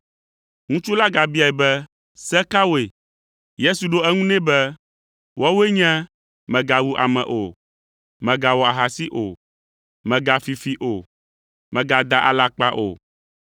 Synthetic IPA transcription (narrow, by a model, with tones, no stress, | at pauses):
ŋũ˦t͡ʃu˦la˦ɡa˨bi˦a˨ɛ˨bɛ˦ | sɛ˦ka˦wo˦e˨ | je˦su˨ɖo˦ɛ˦ŋũ˦nɛ̃˦bɛ˦ | wɔ˦we˦ɲɛ̃˦ | mɛ̃˨ɡa˨wu˦ʔa̰˨mɛ̰̃˨ʔo˨ | mɛ̃˨ɡa˨wɔ˨a˨ɦa˨si˦ʔo˨ | mɛ̃˨ɡa˨fi˨fi˨ʔo˨ | mɛ̃˨ɡa˨d̪a˨ʔa̰˨la˨k͡pa˦ʔo̰˨